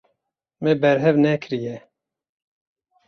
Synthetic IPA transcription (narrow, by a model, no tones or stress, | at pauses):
mɛbɛɾɦɛvnɛkʰɨɾijɛ